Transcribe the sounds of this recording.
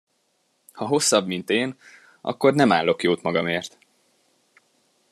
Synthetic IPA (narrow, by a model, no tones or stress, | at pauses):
hɒɦo̞sːɒbmint̪eːn | ʔɒ̰kːo̞rnɛmaːlːo̞kjoːt̪mɒɡɒmeːrt̪